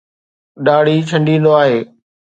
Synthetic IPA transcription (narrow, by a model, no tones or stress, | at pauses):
ɗaːɽit͡ɕʰɐ̃ɳɖĩːnd̪oaːɦeː